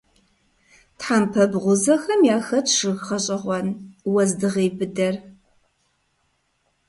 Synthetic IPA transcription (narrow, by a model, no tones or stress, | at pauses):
tħampʰɐbʁʷʊzɐxɐmjaːxɐtʰʂɨɣχɐɕʼɪʁʷɔnwɐzdɨʁeːbɨdɐr